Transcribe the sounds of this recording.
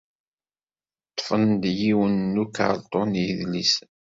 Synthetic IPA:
t̪ˤːfənd̪jiwənːukːa̰ʕlt̪ˤonjiðlis

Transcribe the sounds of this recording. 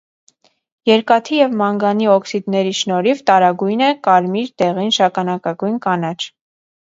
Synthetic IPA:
jɛɾkɑt̪ʰijɛvmɑŋɡɑniɔksid̪nɛɾiʃnɔɾivt̪ɑɾɑɡujnɛkɑɾmiɾt̪ɛʁinʃɑkɑnɑkɑɡujnkɑnɑt͡ʃʰ

